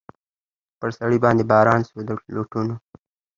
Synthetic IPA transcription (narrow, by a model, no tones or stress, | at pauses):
pəɾsaɽibɑnd̪ebɑːɾɑnsod̪əloʈuno